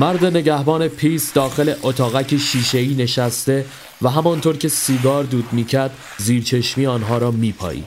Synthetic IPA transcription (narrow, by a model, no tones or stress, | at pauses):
mæɾd̪e̞ne̞ɟæhbɒːne̞pʰiːsd̪ɒːxe̞le̞ʔot̪ʰɒːɣæcʰeʃiːʃe̞iːne̞ʃæst̪e̞ | væɦæmɒnt̪ʰoːɾcʰe̞siːɡɒːɾd̪uːd̪miːcʰæɾd̪̥ | ziːɾt͡ʃʰe̞ʃmiːɒːnɦɒːɾɒːmiːpʰɒ̰ːʔḭːd̪̥